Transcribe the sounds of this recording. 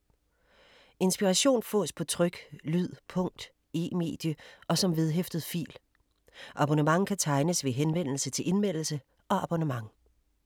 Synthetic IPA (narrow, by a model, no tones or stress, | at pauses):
e̝nsb̥iʁɑɕo̝̰ːnfɔ̰̽ːspʰɒ̽t͡sʰʁœɡ̥lyð̰ˠpʰɔ̽ŋ̰d̥ | e̝̰ːme̝̰ːd̥jəʔɒ̽sɒ̽mʋe̝ð̞ˠɦefd̥əðˠfḭːl | ʔɑ̈b̥onəmɑ̈ŋkʰæt͡sʰɑ̈ɪnəsʋe̝ɦenʋen̰l̩sət͡sʰe̝lʔe̝nmen̰l̩sə | ʔɒ̽ɑb̥onəmɑ̈ŋ